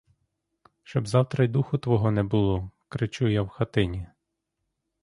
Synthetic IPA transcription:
ʃt͡ʃɔbzɑwt̪ɾɐjd̪uxʊt̪ʋɔɦɔnɛbʊlˠɔkɾet͡ʃujawxɐt̪ɪnʲi

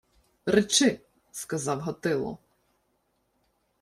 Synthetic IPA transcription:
ɾɪt͡ʃɪ | skɐzɑwɦɔt̪ɪlˠɔ̰

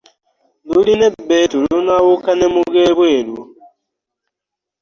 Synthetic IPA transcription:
dulinebetulunawukanemuɡeːβweːlu

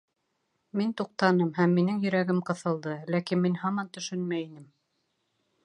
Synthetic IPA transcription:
mint̪uq̚t̪ɑnɤmɦæmːinɘŋjɵ̆ɾæɡɘmqɤ̆θɤ̆lˠd̪ɤlækinminhɑmɑnt̪ɵ̆ʃɵnmæinɘm

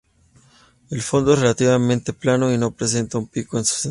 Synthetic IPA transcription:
elfo̞nd̪oesrelat̪iβamẽnt̪eplanoino̞pɾes̬e̞nt̪aumpikoensu̥se

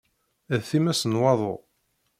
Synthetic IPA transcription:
æðθimæsənwɑðˤo̰

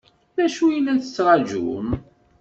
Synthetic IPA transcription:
læʃujənæθə̥t͡sːɾˤɑd͡ʒṵm

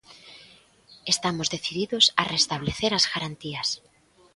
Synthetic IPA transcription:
est̪amozðeθiðiðosa̰rest̪aβ̞leθeɾazɣaɾant̪ias

